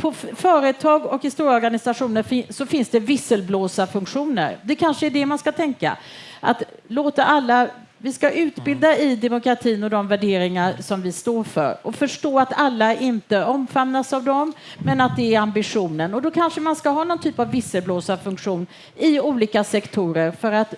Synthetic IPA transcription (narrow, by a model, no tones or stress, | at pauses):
pʰɔfœːɾət̪ʰɑːɡɔkhɪst̪uːɾɔɾɡanɪsaɧuːnəɾfɪsɔfɪnsd̪ɛvɪsːəlbloːsafɵŋkɧuːnə̰ɾd̪ɛkʰanʂəæɖɛmanskat̪ʰɛŋka̰ | ʔa̰t̪ | loːt̪aʔalːa | vɪskaʔʉ̟ːt̪bɪld̪aɪd̪ɛmʊkʰɾat̪ʰiːnɔd̪ɔmvæɖeːɾɪŋasɔmvɪst̪oːɾfœ̰ɾɔfœʂʈoːat̪alːaɪnt̪əɔmfamnːasavd̪ɔmːɛnat̪̚d̪ɛæɾambɪɧuːnənɔd̪ɔkʰanʂəmanskaɦɑːnɔnt̪ʰyːpavːɪsəlbloːsafɵŋkɧuːn | ɪuːliːkasɛkt̪ʰuːɾəɾfœɾat̪